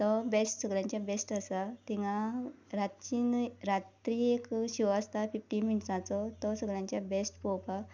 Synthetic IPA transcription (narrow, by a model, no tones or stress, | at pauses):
t̪ɔbesʈsəɡɭjãɲt͡ɕjabesʈəsat̪ĩŋɡãɾat̪t͡ɕinɾat̪ɾiekɕiʋast̪afifʈiminʈsãt͡sɔt̪ɔsəɡɭjãɲt͡ɕjabesʈpɔwpa